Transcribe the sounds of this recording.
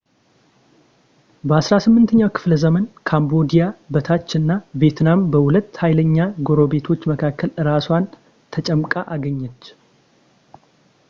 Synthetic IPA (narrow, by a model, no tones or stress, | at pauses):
bəasɾasɨmːɨnt̪ʰəɲːawkʰɨ̥fləzəmənkʰambo̞d̪ijabət̪ʰat͡ʃːɨnːavjet̪ʰnambəhulət̪ːhajləɲːaɡo̞ɾo̞be̞t̪ʰo̞t͡ʃːməkʰakːəlɨɾaswan | t̪ʰət͡ʃʼəmkʼaʔaɡəɲːɛt͡ʃː